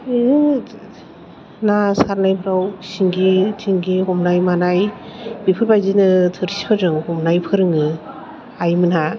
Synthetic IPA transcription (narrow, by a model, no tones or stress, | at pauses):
nasaɾnajpʰɾawsiŋɡitʰiŋɡihɔmnajmanajbipʰɯɾbajzinɯtʰɯɾsi̥pʰɯɾɯŋhɔmnajpʰɯɾɯŋɯ | ajmɯnha